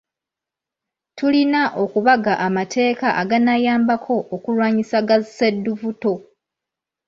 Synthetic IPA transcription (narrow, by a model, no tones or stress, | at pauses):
tulinaʔo̞kuβaɡaʔamatʰe̞ːkaʔaɡanajaːmbakʰo̞ʔokulwaːɲisaɡazsedːuvuto̞